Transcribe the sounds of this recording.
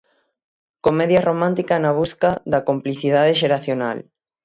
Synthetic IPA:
komeðjaromãnt̪ikanaβ̞uskaðɐkompliθiðaðeʃeɾaθjona̰l

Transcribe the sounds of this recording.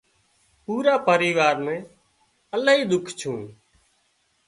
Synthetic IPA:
puːɾaːpəɾiːʋaːɾmẽː | əlaːɦiːd̪ʊkʰt͡ʃʰũː

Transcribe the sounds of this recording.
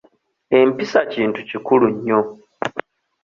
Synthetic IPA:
e̞mpisaciːntucikuluɲːo̞

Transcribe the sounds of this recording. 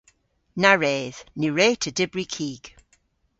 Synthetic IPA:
naɹeːð̥niɹeːtʰədɪbɹikʰiːɡ̥

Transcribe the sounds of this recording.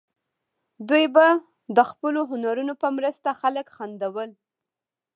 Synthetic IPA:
d̪ujba | d̪əxpəloɦʊnaɾunopəmɾəst̪axaləkxand̪awəl

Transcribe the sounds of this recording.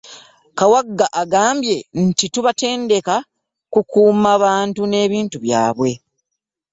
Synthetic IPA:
kawaɡːaʔaɡaːmbje̞ntituβate̞ːnde̞ka | kukuːmaβaːntune̞ːβiːntuβja̰ːβwe̞

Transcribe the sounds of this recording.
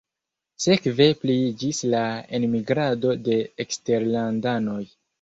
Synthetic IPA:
se̞kve̞plid͡ʒislaenmiɡɾado̞de̞ːkste̞ɾlandano̞j

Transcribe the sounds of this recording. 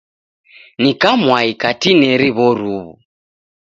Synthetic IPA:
nikamwaikatinɛɾiβɔɾuβu

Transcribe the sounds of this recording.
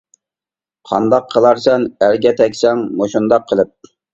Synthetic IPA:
qʰɑ̰nd̪ɑqʰːəlˠɑɾsɛnæɾɡʲɛt̪ʰɛkʲsɛŋmoʃund̪ɑqʰːəlˠɪp̚

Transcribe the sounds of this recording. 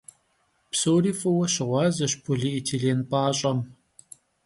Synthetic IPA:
psowriːfɐwɐɕɪʁʷɑːzɐɕpʰuɮiʔitʰeɮeːnpʼaːɕʼɐm

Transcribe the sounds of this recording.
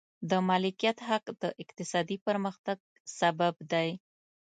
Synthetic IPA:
d̪əmɑlɪkijat̪ɦaqd̪̥əʔɪq̚t̪ɪsɑd̪ipəɾməxt̪aɡ̚ | sababd̪aj

